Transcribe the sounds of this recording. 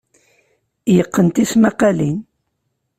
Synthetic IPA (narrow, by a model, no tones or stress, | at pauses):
jəqːənt̪ismæqɑlin